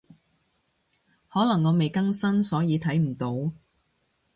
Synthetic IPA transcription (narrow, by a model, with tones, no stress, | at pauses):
hɔː˨˥lɐ˨˩ŋːɔː˨˧me˨jkɐ˥ŋsɐ˥nsɔː˨˥jiː˨˧t̪ʰɐ˨˥jm̩˨˩t̪o˨˧˥w